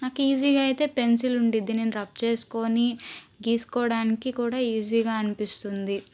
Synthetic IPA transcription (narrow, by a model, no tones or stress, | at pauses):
naːkiːziːɡaːit̪e̞ːpe̞nsiluɳɖid̪ine̞ːnuɾɐp̚t͡ʃe̞ːsu̥ko̞ːniɡiːsu̥kɔːɽaːnikikuːɽaːiːziːɡaːɐnipist̪und̪i